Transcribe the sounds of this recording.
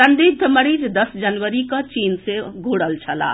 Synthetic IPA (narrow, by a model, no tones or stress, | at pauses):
sənd̪id̪ʱəməɾid͡ʒd̪əsd͡ʒənʋəɾikət͡ʃinseɡʱuɽəlt͡ʃʰəla̰